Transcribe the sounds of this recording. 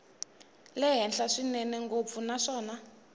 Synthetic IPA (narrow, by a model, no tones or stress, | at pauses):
lɛɦɛnɬaʂinɛnɛŋɡop̪funaʂɔːna